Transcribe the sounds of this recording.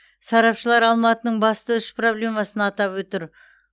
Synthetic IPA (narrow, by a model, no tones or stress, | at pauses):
sɑɾɑpʃəlˠɑɾɑlˠmɑt̪ənəɴbɑst̪əʏspro̞blʲe̞mɑsənɑt̪ɑpwɵt̪ɪɾ